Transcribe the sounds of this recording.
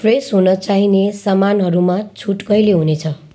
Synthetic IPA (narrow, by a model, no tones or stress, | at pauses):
pʰresɦunʌt͡saɦinesamanɦʌɾumat͡sʰuʈkʌjleɦunet͡sʰʌ